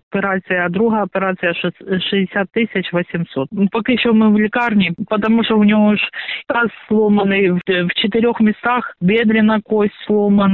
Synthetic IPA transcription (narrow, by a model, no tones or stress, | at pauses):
pʲɪɾat̪sɨjɐd̪ɾuɦɐɐpʲɪɾat̪sɨjɐʂɨzʲdʲɪsʲat̪ːɪsʲɐt͡ɕvɐsʲɪmsot̪pɐkjɪɕːomɨvlʲɪkarnʲɪpɐt̪ɐmuʂt̪oʊnʲɪoʂkasslˠomɐnɨjvt͡ɕɪt̪̬ɨɾʲoxmʲɪst̪axbʲed̪ɾʲɪnɐkosʲtʲslˠomɐn